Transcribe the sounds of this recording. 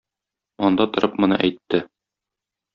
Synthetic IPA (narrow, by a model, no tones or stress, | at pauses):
ɒnd̪ɑt̪ŏɾʔɤpmɤ̆nɤ̰ʔæ̰jt̪ːɘ